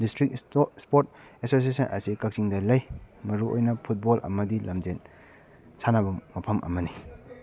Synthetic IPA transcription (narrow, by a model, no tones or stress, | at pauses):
distɾikspoɾt̚esos̬iesɐnɐ̰sikɐk̚siŋdɐlɐjmɐɾuo̰jnɐpʰut̚bolʔɐ̰mɐdilɐmzen | sanɐbɐmɐpʰɐmʔɐ̰mɐni